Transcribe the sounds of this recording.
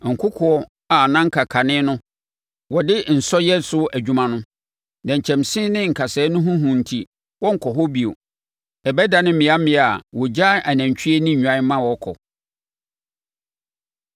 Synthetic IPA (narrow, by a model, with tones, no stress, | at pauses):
ŋ̩˨kʰʊ˦kʰʊ˨ɔ˦ | a˨nã˦ŋ̩˦kʰa˨kʰa˨nɪ̃˦nʊ̃˦ | wɔ˨dɪ˦n̩˨sɔ˦jɛ˦sʊ˦æ˨d͡ʑᶣu˦mã˦nʊ̃˦ | nã˨ɲ̩˨t͡ɕʰɛ̃˨msɪ̃˦nɪ̃˦ŋ̩˨kʰa˨sɛː˨˦nʊ̃˦ɦʊ̃˦ɦũ˨n̩˨tʰi˨ | wɔ˦ŋ̩˨kʰɔ˨ɦɔ˦bi˨o̰˨ | ɛ˨bɛ˦da˨nɪ̃˦m̩˦mɪ̃˨a˦mɪ̃˨˦˨a˨wɔ˨d͡ʑa˦a˨næ̃˨ɲ˨t͡ɕʰᶣɥe˦nɪ̃˦ɲᶣ˨ã˨˦mːã˦wɔ˨˦kʰɔ̰˨